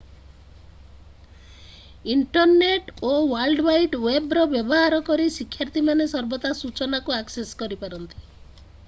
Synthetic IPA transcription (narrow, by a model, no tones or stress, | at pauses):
iɳʈɔɾneʈowalɖbajʈwebɾɔbjɔbɔɦaɾɔkɔɾisikʰːjaɾt̪imanesɔɾbɔt̪asut͡ʃɔnakuakseskɔɾipaɾɔnt̪i̥